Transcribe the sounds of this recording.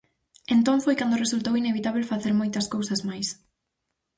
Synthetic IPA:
ent̪õɱfojkand̪ʊresult̪owineβit̪aβ̞elfaθeɾmojt̪ɐskowsɐzmajs

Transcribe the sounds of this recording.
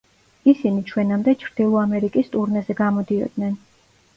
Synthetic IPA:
isinit͡ʃʰwɛnamd̪ɛt͡ʃʰɾd̪̥ilˠɔamɛɾikʼist̪ʼuɾnɛzɛɡamɔd̪iɔ̰d̪nɛn

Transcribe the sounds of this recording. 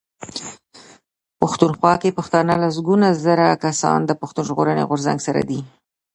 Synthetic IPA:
pʊxt̪unxwɑkepaxt̪ɑnəlas̬ɡunazəɾakasɑ̰nd̪əpʊxt̪unʒɣoɾənḛɣʊɾza̰ŋɡsaɾa̰d̪i

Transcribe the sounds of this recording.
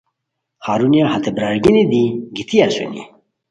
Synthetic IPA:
haːɾunijahat̪ʰebɾaːɾɡinid̪iɡit̪ʰijasḛnḭ

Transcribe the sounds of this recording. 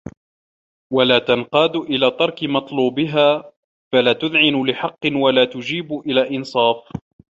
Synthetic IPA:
walaːt̪anqɑːd̪ʔɪlaːt̪ɑɾˤkɪmɑt̪ˤluːbɪɦaː | falaːt̪ʊðʕɪnʊlɪħɑqːɨnwalaːt̪ʊd͡ʒiːbʊʔɪlaːʔɪnsˤɑːf

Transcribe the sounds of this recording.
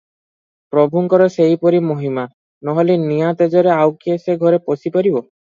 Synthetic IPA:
pɾɔbʱuŋkɔɾɔsejpɔɾimoɦima | nɔɦɔlenijat̪ed͡ʒɔɾeawkieseɡʱɔɾeposipaɾibɔ

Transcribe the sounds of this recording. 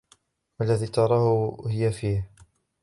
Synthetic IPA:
walːaðiːt̪ɑɾˤɑhʊhɪjafiːh

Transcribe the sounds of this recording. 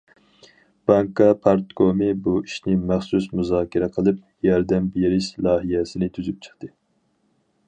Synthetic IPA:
b̥ɑŋkɑpʰɑɾt̪kʰomɨbuiʃnɪmæχsusmuzɑːkʲʰiɾɛqʰəlˠɨp̚jɑɾd̪ɛmbijeɾɪʃlˠɑːɦijɛsɪnɪt̪ʰyzyp̚t͡ʃʰə̥χt̪ɨ

